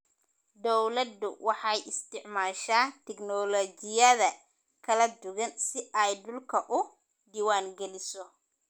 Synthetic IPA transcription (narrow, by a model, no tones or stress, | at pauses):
d̪ɔwlɐd̪ʊ̰wɑħɑjɪst̪ʰɪʕmaːʃaːt̪ʰɛɡnɔlɔt͡ʃɪjɐðɐ | kʰɐlɐd̪ʊɣɐnsɪʔɐjd̪ʊlkʰɐʔʊ | d̪iːwaːŋɡɛlɪsɔ